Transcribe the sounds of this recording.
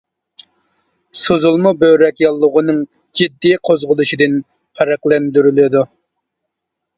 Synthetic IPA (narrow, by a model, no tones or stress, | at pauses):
sozulˠmubøwɾɛkʲjɑlˠːʊʁʊnɨŋ | d͡ʒid̪ːijqʰozʁʊlˠuʃid̪ɪn | qʰæɾæqlɛnd̪yɾylɪd̪u